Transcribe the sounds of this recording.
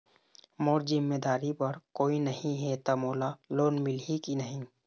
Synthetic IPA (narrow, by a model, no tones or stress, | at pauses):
moːɾzɪmːeːd̪aːɾipɐɾkoːinɐhĩɦɛt̪amoːlaloːnmɪlɦikinəɦĩ